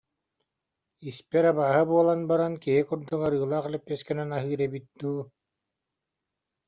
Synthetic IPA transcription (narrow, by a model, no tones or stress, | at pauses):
ispɛɾabaːɦɯbuɔlˠanbaɾankiɦikuɾd̪uŋaɾɯːlˠaːχɛlɛpʲːɛskɛnɛnaɦɯːɾɛbit̪̚d̪uː